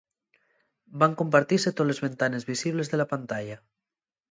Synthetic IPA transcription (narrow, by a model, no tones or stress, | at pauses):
baŋkompaɾt̪iset̪olezβe̞nt̪ane̞zβisiβle̞zðelapant̪aʎa